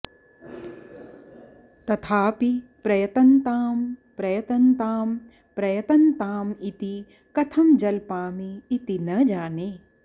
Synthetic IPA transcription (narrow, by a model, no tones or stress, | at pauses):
t̪ɐt̪ʰaːpipɾɐjɐt̪ɐnt̪aːmpɾɐjɐt̪ɐnt̪aːm | pɾɐjɐt̪ɐnt̪aːmit̪i | kɐt̪ʰɐmd͡ʒɐlpaːmiːt̪inɐd͡ʒaːneː